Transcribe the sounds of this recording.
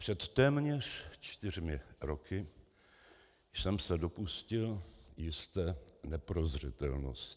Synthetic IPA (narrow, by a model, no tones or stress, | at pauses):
pr̥ɛt̪ːɛːmɲɛr̝̥t͡ʃt̪ɪr̝mɪɾo̞kʰɪ | sɛmsɛdo̞puscɪljɪst̪ɛːnɛpɾozr̝ɪt̪ɛlno̰st